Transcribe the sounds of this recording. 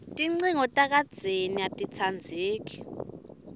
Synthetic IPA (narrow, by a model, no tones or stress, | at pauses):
tʼiŋ͡ǀiŋɔtʼak̬ʼad̥d͡z̥ʱeniatʼit͡sʰand͡zʱeːk̬i̥